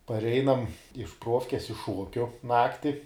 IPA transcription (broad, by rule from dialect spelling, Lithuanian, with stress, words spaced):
pɐrʲˈɛɪnɐm ɪʃ ˈpruɔfʲkʲɛs ɪʃ ˈʃuɔkʲʊ ˈnɑːktʲɪ